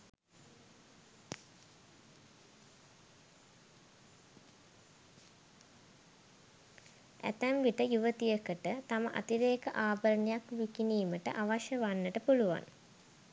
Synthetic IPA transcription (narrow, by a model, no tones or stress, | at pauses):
æ̰t̪æmʋiʈəjuʋət̪ijəkəʈət̪aməʔa̰t̪iɾeːkəʔaːbəɾənejakʋikiniːməʈə̰ʔaʋaʃəʋanːəʈəpuluʋa̰n